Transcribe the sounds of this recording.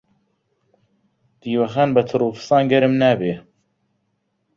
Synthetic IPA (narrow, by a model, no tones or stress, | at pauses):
d̪̥iːwɐxanbɐt̪ʰɨɾuːfɨ̥sɑːnɡɐɾɨmnæːbeː